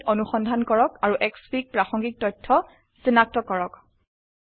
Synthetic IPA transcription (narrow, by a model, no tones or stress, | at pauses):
tonuxɔndʱankɔɹɔkaɹuʔɛkspik̚pɹaxɔŋɡik̚tɔjtʰɔ | sinak̚tɔkɔɹɔk